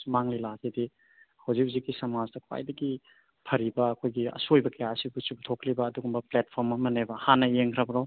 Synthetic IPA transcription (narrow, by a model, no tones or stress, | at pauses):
sumaŋlilazidi | hawzik̚zikːisɐmazdɐkʰwa̰jdɐɡi | pʰɐɾibɐːkʰojɡiɐ̰sojbɐkɐjasibut͡ʃup̚tʰoklibɐːduɡumbɐplet̚pʰoɾmɐmɐnebɐhanɐjeŋkʰɾɐbɐɾaw